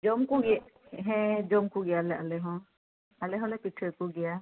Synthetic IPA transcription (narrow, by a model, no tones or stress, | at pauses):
d͡ʒɔmkuɡɛɦɛ̃d͡ʒɔmkuɡijalɛʔalɛɦɔ̃ | alɛɦɔlɛpitʰɔkuɡija